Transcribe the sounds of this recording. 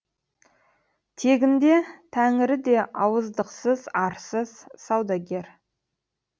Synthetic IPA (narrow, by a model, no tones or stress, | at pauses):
t̪ʰe̞ɡʲɪnd̪e̞t̪ʰæŋɪɾɪd̪e̞ʔɑwəzd̪əqsəz̥ɑɾsəz̥sɑwd̪ɑɡʲe̞ɾ